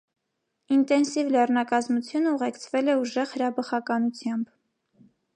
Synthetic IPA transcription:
int̪ɛnsivlɛrnɑkɑzmut͡sʰjunəuʁɛkt͡sʰvɛlɛuʒɛʁhəɾɑbəχɑkɑnut͡sʰjɑmb

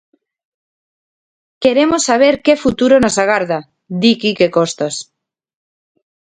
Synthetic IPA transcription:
keɾemosːaβ̞eɾkefut̪uɾonosaɣ̞aɾða | d̪ikikekost̪as

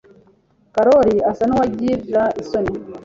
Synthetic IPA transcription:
kaɾɔɾiasanuwaɟiɾzaisɔni

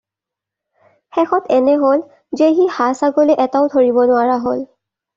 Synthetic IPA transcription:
xɛxɔtʰɛnɛɦol | zeɦihasaɡoleʔɛtaʊtʰoɹibɔnʊaɹaɦol

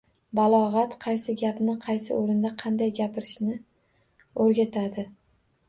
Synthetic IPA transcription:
balˠɒʁɑt̪qʰɑjsɪɡʲapnɪqʰɑjsɪ̰oɾɪnd̪aqʰɑnd̪ajɡʲapʰɪɾɪʃnɪ | ɵɾɡʲat̪ʰad̪ɪ

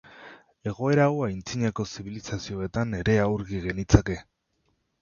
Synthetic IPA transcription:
e̞ɣ̞o̞e̞ɾawajnt͡siɲako̞siβilisasio̞e̞t̪ane̞ɾe̞awɾɣiɣe̞nit͡sake̞

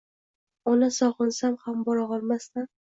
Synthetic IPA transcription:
ɒnasɒʁɨnsamhambɒɾɒʁɒlˠmast̪an

